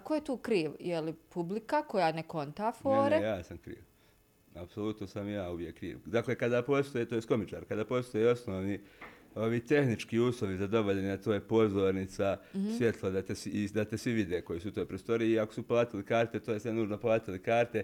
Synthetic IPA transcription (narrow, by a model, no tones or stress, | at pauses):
kojet̪uːkɾiːʋjelipublikako̞jaːneko̞nt̪afoːɾejaːsamkɾḭːʋ | apso̞lˠut̪nosamjaːuʋje̞kːɾḭːʋd̪aːklekad̪aːpo̞ːst̪ojet̪oːjesko̞mit͡ʃaːɾkad̪aːpo̞ːst̪o̞jeo̞sno̞ːʋniːo̞ʋiːt̪e̞xnit͡ʃkiːuːslˠo̞ʋizad̪o̞ʋoʎaɲeat̪o̞ːjepo̞zo̞ɾnit̪sasʋje̞t̪ʰlˠod̪at̪esid̪at̪e̞sʋiʋid̪eko̞jisut̪o̞ːjpɾost̪o̞ɾieiakosuplˠaːt̪ilikaːɾt̪e̞t̪oːjesʋenuːʒnoplˠaːt̪ilikaːɾt̪e̞